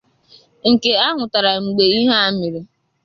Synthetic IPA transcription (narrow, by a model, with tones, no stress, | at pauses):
ŋ̩˨ke˨a˦ŋʊ˨ta˨ɾa˨ŋ͡m̩˨ɡ͡be˨i˦ɦa˦a˦mi˨ɾi˦